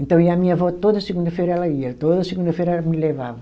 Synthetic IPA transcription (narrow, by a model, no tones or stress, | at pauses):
ẽnt̪ɐ̃w̃iamĩɲɐvɔt̪od̪ɐsɨɣũnd̪ɐfejɾɐɛlɐiɐt̪oðɐsɨɣũnd̪ɐfejɾɐɛlɐmɨleva̰vɐ